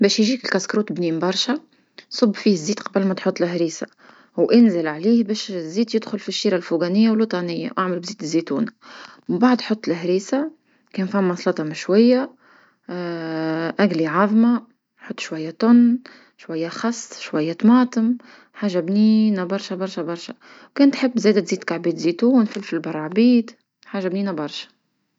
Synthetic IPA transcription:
bɛːʃjʒiːkɪlkæskɾuːt̪bniːmbɑɾˤʃa | sˤʊbːfiːhɪzːiːt̪qɑbəlmæt̪ħʊt̪ˤːlɪɦɾiːsa | wʔɪnzɪlʕaliːhbɛːʃzːiːt̪jɪd̪xʊlfiʃːiːɾalfuɡænɪjːawlut̪ˤɑnɪjːa̰wʔaʕməlbziːt̪zːit̪ṵːnaməmbaʕd̪ħot̪ˤːlɦɾiːsa | kɛːnfæmːɑsˤlɑt̪ˤɑmɪʃwæjːa | ʔæɡliʕɑðˤmɑ | ħʊt̪ˤːʃwajːat̪ʊnː | ʃwajːaxɑsˤːʃwajːat̪mɑːt̪ˤəm | ħaːʒabniːnabɑɾˤʃabɑɾˤʃabɑɾˤʃa | wkɛːnt̪ħɪbːzɛːd̪at̪ziːd̪kaʕbiːt̪zit̪uːnfɪlfilbɑrˤːɑʕbiːd̪ | ħaːʒabniːnabɑɾˤʃḁ

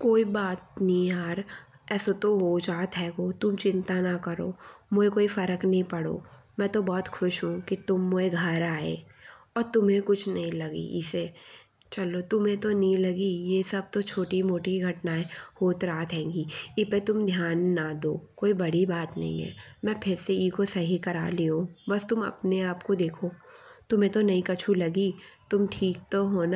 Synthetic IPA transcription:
koːibaːt̪nĩaːɾ | ɛːsot̪oɦoːd͡ʒaːt̪ɦɛːɡot̪ʊmt͡ʃɪ̃nt̪anakɐɾo̰ːmʊɦekoːifɐɾəknɐɦĩpɐɽo̰ː | mɛ̃ːt̪obɔːt̪xʊʃɦũkit̪ʊmːʊɦeɡʱɐɾaːḛːɔːɾt̪ʊmɦẽkʊt͡ʃʰnɐɦĩlɐɡḭʔɪse | t͡ʃɐlot̪ʊmɦẽt̪onɐɦĩlɐɡijesɐb̚t̪ot͡ʃʰoːʈimoːʈiɡʱɐʈnaɦɛhoːt̪ɾaːt̪ɦɛ̃ːŋɡiɪpet̪ʊmd̪ʱjaːnːad̪oːkoːibɐɽibaːt̪nɐ̰ɦḭ̃ɦɛ̰ːmɛ̃ːpʰɪɾseiːkosɐɦikɐɾa̰ːliõbɐst̪ʊmɐ̰pneaːpkod̪eːkʰoːt̪ʊmɦẽt̪onɐĩkɐt͡ʃʰulɐɡit̪ʊmʈʰiːk̚t̪oɦoːna

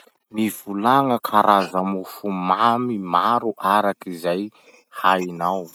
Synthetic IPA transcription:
nivulaŋəkʰaɾʔazamufumamimaɾuʔaɾakizaj | hainaw

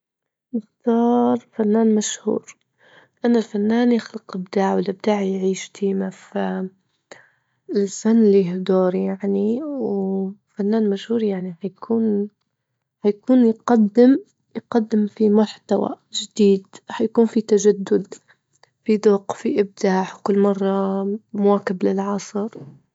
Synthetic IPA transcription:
mɪxt̪ɑːɾˤfanːaːnmaʃhṵːɾ | ʔanːalfanːaːnjɪxlɪqʔɪb̚d̪aːʕwɪlʔɪb̚d̪aːʕjʕiːʃt̪iːmafa | ɪlfanːɪlːiɦd̪oːɾjaʕniwfanːaːnmaʃhuːɾjaʕnihajakʰuːn | hajakuːnjqad̪ːɪm | jqad̪ːɪmfimʊħt̪awa̰ | ʒɪd̪̥iːd̪hajakuːnfit̪ad͡ʒad̪ːʊd̪ | fid̪ʊqfiʔɪb̚d̪aːħwkʊlːmɑrˤːɑmʊwaːkɪblɪlʕɑsˤɨɾ

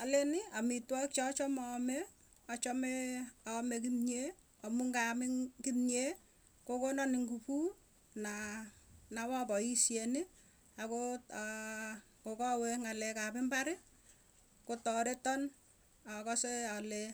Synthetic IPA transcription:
alenɪamitwɔk̚t͡ʃɔt͡ʃɔmɔme | t͡ʃɔmeɔmek̬imɲe | ɔmuŋɡamɪkimɲe | kokonɔnɪŋɡupu | na | nawapɔisjenɪ | ako | kokɔweŋalɛkapɪmbaɾɪ | kotɔɾetɔn | akɔseale

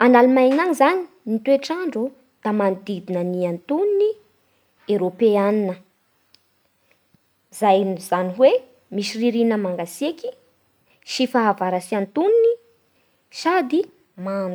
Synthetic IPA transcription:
analumajnanizani̥ | nit̪weʈ͡ʂaɳɖ͡ʐu | d̪̥amand̪id̪inəniant̪unini | eɾopeaninə | zajnzaniɦwe | miʃiriɾinəmaŋɡaseki̥ | ʃifaɦːvaɾasiant̪unini | sad̪i | mandu̥

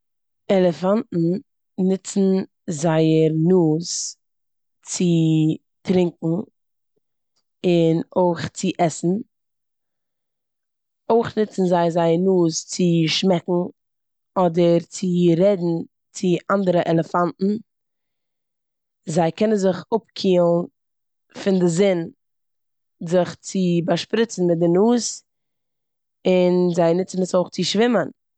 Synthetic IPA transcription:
ɛlˠəfantn̩ | nɪt͡sn̩ | zaɪəɾnuːs | t͡sɪ | tɾɪŋkŋ̩ | ɪnoɪχt͡sɪʔɛsn̩ | oɪχnɪt͡sn̩zaɪəzaɪəɾnuːst͡sɪʃmɛkŋ̩ | ɔdəɾt͡sɪɾɛdn̩ | t͡sɪʔandəɾəʔɛlˠəfantn̩ | zaɪkɛnənzɪχʊpkʰiːlˠn | fɪndɪzɪn | zɪχt͡sɪbaʃpɾɪt͡sn̩mɪt̚dɪnuːs | ɪnzaɪnɪt͡sn̩əsoʊχt͡sɪʃvɪmən

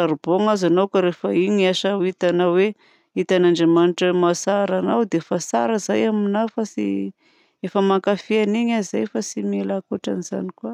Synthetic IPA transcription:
aɾiboŋazanowkaɾefaiɲiaʃait̪anawe | it̪anaɳɖ͡ʐemaniʈ͡ʂmasaɾanawd̪eefasaɾəzajaminafasḭ | efəmaŋkafianiɲazajfasimelakoʈ͡ʂa̰niz̥a̰nikwa

